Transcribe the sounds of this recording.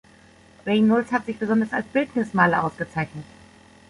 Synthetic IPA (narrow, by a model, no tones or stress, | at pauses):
ʁɛɪnːʊlshatz̥ɪçb̥əzɔndɐsalsb̥ɪltnɪsmaːlɐʔaʊsɡ̥ət͡saɪçnət